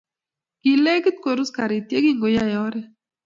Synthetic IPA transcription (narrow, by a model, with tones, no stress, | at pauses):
ɡ̥i˨le˦ɡi˦t̪̚ko˨ɾu˦ska˨ɾi˨t̪je˦ɡi˦ŋɡo˨ja˦jɔ˦ɾɛ˦